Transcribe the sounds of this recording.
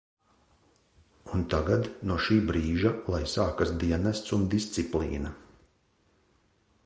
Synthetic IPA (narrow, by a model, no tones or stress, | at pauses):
unt̪aɡad̪nuɔʃiːbɾiːʒalˠajsaːkasd̪iɛnɛst̪sund̪ist̪siplˠḭːna